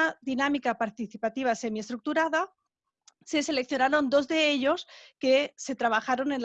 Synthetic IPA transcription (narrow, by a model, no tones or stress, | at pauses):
aðinamikapaɾt̪iθipat̪iβ̞ase̞mie̞st̪ɾuk̚t̪uɾaða | se̞se̞le̞k̚θjo̞naɾo̞nd̪o̞zðe̞e̞ʎo̞ske̞se̞t̪ɾaβ̞axaɾo̞ne̞nl